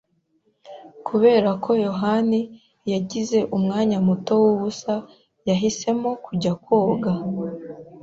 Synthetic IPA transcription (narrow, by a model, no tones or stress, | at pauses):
kʰuβe̞ːɾakʰo̞jo̞ɦani | jaɟize̞ʔumŋaːɲamuto̞wuβusa | jaɦise̞mokuɟakwo̞ːɡa